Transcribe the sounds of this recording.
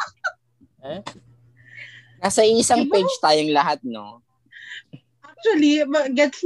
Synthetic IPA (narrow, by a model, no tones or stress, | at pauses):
ɛ | nasɐʔɪsɐŋped͡ʒt̪aːjoŋlɐɦat̪̚no̰ | ʔak̚t͡ʃuɐlibɐɡɛt̪s